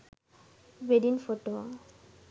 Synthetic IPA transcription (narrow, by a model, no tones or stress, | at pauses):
beɖinfoʈo